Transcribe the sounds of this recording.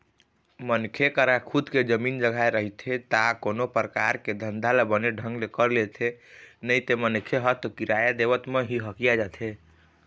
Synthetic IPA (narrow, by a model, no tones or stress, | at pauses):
mənkʰekəɾakʰud̪ked͡ʒəmind͡ʒəɡʱajɾəɦit̪ʰet̪akonopɾəkaɾked̪ʱənd̪ʱalebəneɖʱə̃ŋɡlekəɾlet̪ʰenəjt̪emənkʰeɦət̪ɔkiɾajad̪ebət̪meɦiɦəkijad͡ʒat̪ʰe